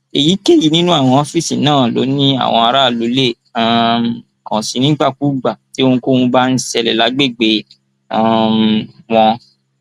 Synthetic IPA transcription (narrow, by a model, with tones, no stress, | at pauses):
e˨ji˨˦ke˦˨ji˨˦nĩ˦nũ˦a˦˨w̃ɔ̃˧ɔ˦fi˦˨sĩ˨nãː˦˨lo̰˨˦nĩ˦a̰˦˨w̃ɔ̃˧a˧ɾa˦˨lo˨˦le˦˨ | a˨ | kɔ̃˨sĩ˨˧nĩ˦ɡ͡ba˦˨ku˨˦ɡ͡ba˨ti˦o˦˧n̩ũ˧ko˦ũ˧ba˦n̩˦sɛ˧lɛ˨la˨˦ɡ͡be˦˨ɡ͡be˧ | a˦˨ | w̃ɔ̃˧